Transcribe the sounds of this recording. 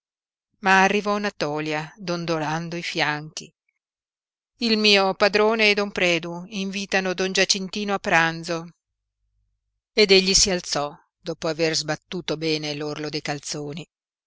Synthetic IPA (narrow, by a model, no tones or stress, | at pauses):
maːrːivɔnat̪ɔːljad̪ond̪oland̪oifjaŋk̟ḭ | ilmiːopad̪ɾoːneed̪ompɾɛːd̪uiɱviːt̪anod̪ond͡ʒat͡ʃːint̪iːnoapːɾand̪zo | ed̪eʎːisialt̪sɔ | d̪ɔːpoaverzbat̪ːuːt̪obɛːnelorlod̪ejkalt̪soːni